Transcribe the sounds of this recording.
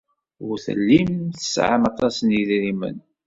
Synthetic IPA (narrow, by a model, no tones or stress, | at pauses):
ʊɾθə̰lːimθə̥sʕa̰mɑt̪ˤɑsniðɾimə̰n